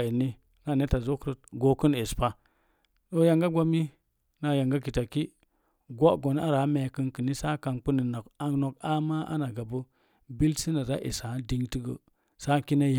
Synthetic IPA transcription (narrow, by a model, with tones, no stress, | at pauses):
i˨ni˦ | na˦˨ne˦ta˨zo˦kɾə˦t̚ɡo˨˦kə˦ne˨spa˦ | ɗo˦ja˨ŋɡa˦ɡʷa˦mi˦ | na˨ja˨ŋɡa˦ki˨ta˨ki˦ | ɡʷo˦ʔɡo˨n˦a˦ɾa˨˦me˨kɨ˦nkə˨ni˦sa˦ka˨nk͡pu˦ni˨na˨ka˦no˨ka˦ma˦ʔa̰˦na˨ɡa˨bə˦ | bi˦lsi˦na˨ɾa˦ʔḛ˨sa˨˦di˦ŋti˦ɡə˨ | sa˦ki˦ne˦j